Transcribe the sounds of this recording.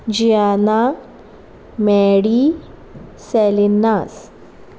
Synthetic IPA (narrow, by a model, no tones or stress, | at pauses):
d͡ʑiana | mɛɽi | sɛlinːas